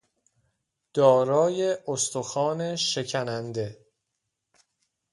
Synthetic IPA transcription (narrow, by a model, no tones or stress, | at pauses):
d̪̥ɒːɾɒːje̞ost̪oxɒːne̞ʃe̞cʰænænd̪e̞